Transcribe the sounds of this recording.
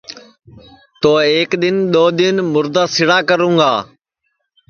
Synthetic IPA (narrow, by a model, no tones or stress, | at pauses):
t̪oːeːkɗ̪ɪnɗ̪oːɗ̪ɪnmʊɾd̪aːsɪɽaːkəɾũːŋɡaː